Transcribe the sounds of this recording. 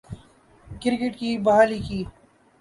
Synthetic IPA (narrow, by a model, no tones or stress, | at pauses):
kɪɾkeʈkibɐɦaːlikiː